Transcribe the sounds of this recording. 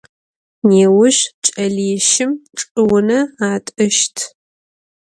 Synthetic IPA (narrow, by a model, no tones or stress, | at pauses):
neːwʊɕt͡ʃʼɐɮiʃɪmʈ͡ʂʼɨwʊnɐaːtʼɐʃtʰ